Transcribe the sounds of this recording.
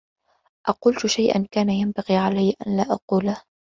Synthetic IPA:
ʔɑquːlt̪ʊʃajʔa̰nkaːnajambɑɣiːʕalajːʔa̰nlaːʔɑquːlah

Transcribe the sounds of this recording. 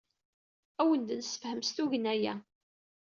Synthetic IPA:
æwənd̪nsə̥fhəmst̪uʝənæjæ̰

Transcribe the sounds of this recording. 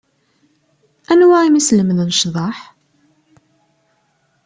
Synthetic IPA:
ænwæimisləməðənʃðˤɑħ

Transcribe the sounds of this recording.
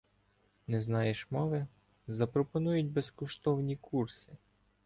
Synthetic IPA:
nɛznɑjeʃmɔʋɪ | zɐpɾɔpɔnujʊt̚ʲbeskɔʃt̪ɔwnʲikʰursɪ

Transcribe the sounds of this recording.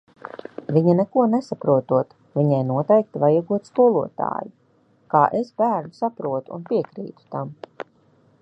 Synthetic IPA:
viɲanekuɔnesapɾuɔt̪uɔt̪ | viɲɛjnuɔt̪ɛjk̚t̪ivajaɡuɔt̪skuɔlˠuɔt̪a̰ːju | kaːʔesbæːɾnusapɾuɔt̪ṵːnpiɛkɾḭːt̪u̥t̪am

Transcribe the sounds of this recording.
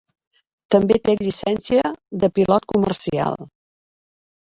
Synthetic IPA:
t̪əmbet̪eʎisɛnsiəðəpilɔt̪̚kumə̰rsia̰lˠ

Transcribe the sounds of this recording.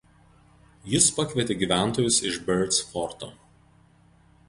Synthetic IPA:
jɪspɐkʲʋʲiɛt̪ʲeːɡʲiːʋʲæˑnˑt̪oːjʊsɪʒbʲɛɾt̪sfɔɾt̪o̰ː

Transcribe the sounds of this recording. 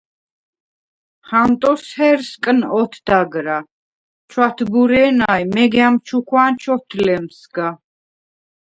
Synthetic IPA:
χamt̪ʼɔshɛɾskʼnɔt̪ʰd̪̥aɡɾa | t͡ʃʰwat̪ʰbuɾɛːnajmɛɡɛamt͡ʃʰukʰwant͡ʃʰɔt̪ʰlɛmsɡa

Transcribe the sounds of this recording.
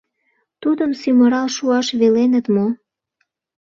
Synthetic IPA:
t̪ud̪əmsyməɾɑlʃuɑʃβelenət̪mo

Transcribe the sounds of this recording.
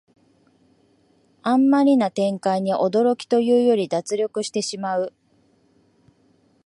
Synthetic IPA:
ãmːaɾʲinat̪ẽ̞ŋkaiɲ̟iʔo̞d̪o̞ɾo̞kʲi̥t̪o̞jɯ̟ːjo̞ɾʲid̪at͡sɨɾʲjo̞kɯ̟ɕi̥t̪e̞ɕimaɯ̟

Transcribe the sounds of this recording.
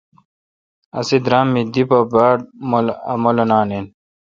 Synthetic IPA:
ɐ̰sid̪ɾaːmːid̪ipɐbaːɽmlɐmolɐnaːnen

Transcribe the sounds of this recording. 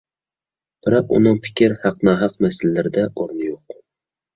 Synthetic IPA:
b̥ɪɾɑqʊ̰nɨŋpʰɪ̥kʲʰɪɾhɑqnɑːɦɑqmæsɪllːæɾɪd̪ɛoɾnɪjoq

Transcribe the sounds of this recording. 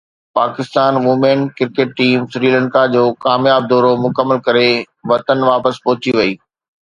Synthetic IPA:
paːkɪst̪aːnʋumẽːnkɪɾkeːʈʈiːmsɾiːlə̃ɳkad͡ʑoːkaːmjaːb̚d̪ɔːɾomʊkəmːəlkɐɾe | ʋɐt̪ənʋaːpəspɔɦʊt͡ɕiʋɐiː

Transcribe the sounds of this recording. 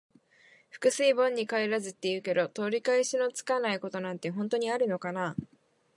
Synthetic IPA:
ɸɯ̟̥kɯ̟sɨibõ̞ɲ̟ːikaeɾazɨt̪ːe̞jɯ̟ːke̞d̪o̞t̪o̞ːɾʲikaeɕino̞t͡sɨ̥kanaiko̞t̪o̞nãnt̪e̞ɦõnt̪o̞ɲ̟iaɾɯ̟no̞kana

